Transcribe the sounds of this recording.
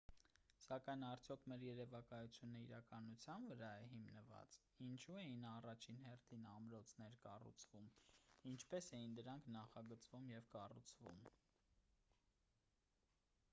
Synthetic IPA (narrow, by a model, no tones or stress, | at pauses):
sɑkɑjnɑɾt͡sʰjɔkʰmɛɾjɛɾɛvɑkɑjut͡sʰjunəiɾɑkɑnut͡sʰjɑnvəɾɑɛɦimnəvɑ̰t͡s | int͡ʃʰuɛjinɑrɑt͡ʃʰinɦɛrt̪ʰinɑmɾɔt͡sʰnɛɾkɑ̰rṵt͡sʰvumint͡ʃʰpɛsɛjind̪əɾɑŋkʰnɑχɑɡət͡svumjɛvkɑrṵt͡sʰvṵm